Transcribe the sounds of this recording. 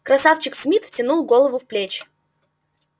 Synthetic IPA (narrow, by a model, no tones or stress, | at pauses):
kɾɐsaft͡ɕɪksmʲit̪ftʲɪnulˠɡolˠəvʊfplʲet͡ɕ